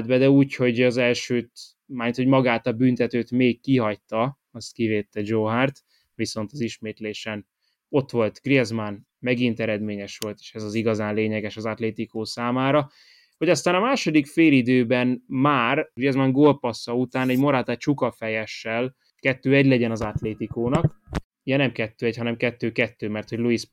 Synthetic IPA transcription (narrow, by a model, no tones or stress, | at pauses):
d̪̚bɛd̪ɛuːcho̞ɟɒzɛlʃøːt̪ | maːit̪homɒɡaːt̪ɒbynt̪ɛt̪øːt̪meːkːiɦɒct̪ɒ | ɒst̪kiveːt̪ːɛd͡ʒoːɦaːrt̪ | ʋiso̞nt̪ɒziʃmeːt̪leːʃɛn | o̞t̪ʋo̞lt̪ɡ̥riɛzman | mɛɡint̪ɛɾɛd̪meːɲɛʃʋo̞lt̪e̥ːʃɛzɒziɡɒzaːnleːɲɛɡɛʃɒzɒt̪leːt̪ikoːsaːmaːɾɒ | hoɟɒst̪aːnɒmaːʃo̞d̪ikfeːlid̪øːbɛnmaːrɡriɛzmaŋɡoːlpɒsɒut̪aːnɛɟmoɾaːt̪aːt͡ʃukɒfɛjɛʃːɛl | kɛt̪ːøːɛɟlɛɟɛnɒzat̪leːt̪ikoːnɒk | jɛnɛmkɛt̪ːøːɛchɒnɛmkɛt̪ːøːkɛt̪ːøːmɛrt̪ho̞ɟluis